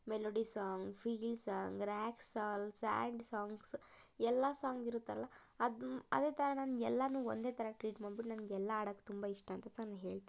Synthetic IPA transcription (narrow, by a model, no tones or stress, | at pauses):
meloːɖisaːŋɡfʰiːlsaːŋɡɾaːksaːlsa̰ːɳɖsaːŋɡs | ɛlːasaːŋɡiɾut̪ːaːɾɐlːɐ | ɐd̪ɐ̰d̪e̞ːt̪ʰɐɾɐnaːnɡɛlːɐnuːond̪e̞ːt̪ʰɐɾɐʈɾiːʈmaːɽbiʈnɐnɐɡɛlːɐaːɽɐkːe̥u̥t̪umbaiʂʈɐːnt̪ɐt͡ʃɐnːɐɦeːɭt̪i